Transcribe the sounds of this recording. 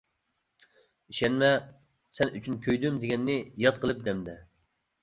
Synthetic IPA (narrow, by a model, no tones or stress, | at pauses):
iʃɛnmɛ | sɛnyt͡ʃʰynkʲʰøjd̪ymd̪eɡʲɛnːɪjɑt̪̚qəlˠɨp̚d̪ɛmd̪ɛ